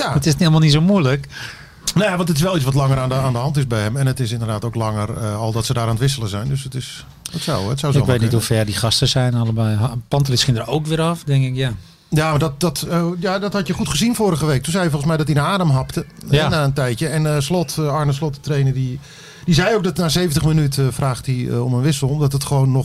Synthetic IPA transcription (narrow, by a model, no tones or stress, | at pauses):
jaətɪselˠmalˠnits̬omujlək | nojaʋɑntətɪsʋɛlˠitt͡sʋɔtlɑŋəɾaːndəaːndəɦɑntɪzbɛjɛmɛnətɪsɪndərdaːtowklɑŋərəɔlˠdɔtsədaːɾaːntʋɪs̬ələzɛjndøsətɪs | ɔsɔwətsawɪʋet̬nɛthufɛrdiχɑstəsɛjnɔlˠəbɛjɦpɑntrɪsxɪndərowkʋɪɔfdɪŋkɪkja | jamadɔt̚dɔtjadɔthɑtjəχutχəzinfoːɾəɣəʋejk̚tunzɛjəfɔlˠəsmɛjdɔt̚dinaaːdəmɦɑptə | naːəntɛjtjəɛnslɔtɑɹnəslɔtətrejnərdi | dizɛjowk̚dɔtnaːsejvən̩təχmənytəfraːχtḭɔmənʋɪsəl̩ˠɔmdɔtətχəʋonːɔ